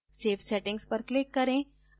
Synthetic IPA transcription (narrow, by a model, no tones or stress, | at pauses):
seːfʰsɛʈɪ̃ŋɡspəɾklɪkːɐɾẽ